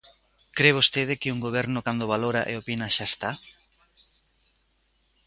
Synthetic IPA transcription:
kɾeβost̪eðɪkɪuŋɡoβ̞ɛɾnokand̪oβ̞aloɾa̰ʔḛopinaʃaest̪a

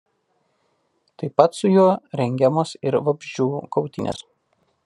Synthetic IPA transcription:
t̪ɐɪpɐt̪sʊjuɔɾʲɛŋʲɡʲɛmoːsɪɾʋɐbʲʒʲd͡ʒʲuːkɒʊt̪ʲɪnʲḛs

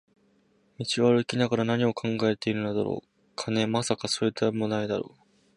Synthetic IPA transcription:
mʲit͡ɕiβaɾɯ̟kʲinaɡaɾanaɲ̟io̞kʰãŋɡae̞t̪e̞iɾɯ̟nod̪a̰ɾo̰ː | kʰane̞masakaso̞ːit̪ʰːamond̪aid̪aɾoː

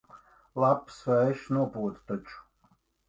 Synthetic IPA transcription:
lˠapsvaʃnuɔpuːt̪t̪ɔt͡ʃʼ

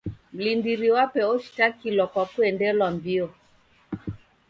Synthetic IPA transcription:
m̩lindiɾiwapɛɔʃi̥takilwakwakuɛndɛlwambiɔ

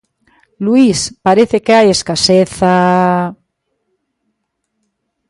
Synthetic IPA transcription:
luispaɾeθekeajeskaseθa

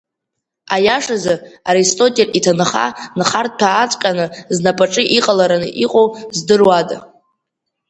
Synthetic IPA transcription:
ajaʂazaaɾistʼo̞tʼelitʰanɨχa̰nχart̚ʼpʰaːt͡sʷʼqʲʼanɨznapʼaʈ͡ʂʼɨʔiqʼalaɾanɨ̰ʔiqʼowzdɨrwad

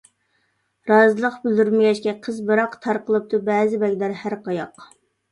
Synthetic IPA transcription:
ɾɑːzɨlˠəqbɪld̪yɾmɪɡʲɛt͡ʃkʲɛqʰəzbɨɾɑqt̪ʰɑɾqʰəlˠɨp̚t̪ubɛːzɪbɛkʲd̪æɾhæɾqʰɑjɑq

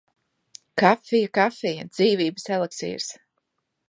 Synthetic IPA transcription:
kafijakafɛjad̪z̥iːviːbəsɛlˠeksḭːɾs

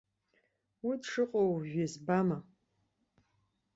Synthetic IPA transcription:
widʂɨqʷʼowʒᶣezbama

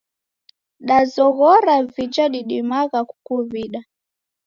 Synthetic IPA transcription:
ɗazɔɣɔɾavid͡ʒaɗiɗimaɣaku̥kuviɗa

